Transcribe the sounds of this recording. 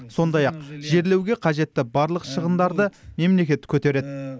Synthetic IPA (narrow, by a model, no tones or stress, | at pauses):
so̞nd̪ɑjɑq̚ʒ̥e̞ɾle̞wɡʲe̞qʰɑʒe̞t̪ːɪbɑɾlˠəqʃəʁənd̪ɑɾd̪əme̞mle̞kʲe̞t̪kʲʰɵt̪e̞ɾe̞d̪ɪ